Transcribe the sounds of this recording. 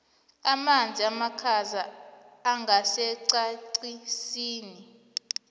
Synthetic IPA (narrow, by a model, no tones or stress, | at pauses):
amand͡zʱiamakʰazaː | ŋɡʱasɛǀaǀisiːni